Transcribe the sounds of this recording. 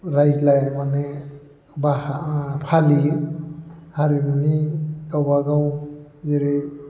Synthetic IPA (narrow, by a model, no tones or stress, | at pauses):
ɾajd͡ʒlajmane | bahapʰali | haɾimanikawbaɡawiɾi